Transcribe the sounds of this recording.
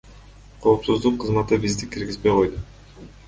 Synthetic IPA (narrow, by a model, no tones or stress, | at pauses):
qʰo̞ːpsuzd̪uqʰːɯzmɑt̪ɯbizd̪ikiɾɡizbe̞jqʰo̞jd̪u